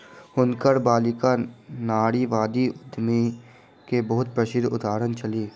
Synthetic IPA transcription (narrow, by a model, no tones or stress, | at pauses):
hʊnkəɾbaːlɪkanaːɽiʋaːd̪iʊd̪ʱmi | kebɐɦʊt̪̚pɾəʃɪd̪ʱʊ̰t̪aːɾənt͡ʃɐliː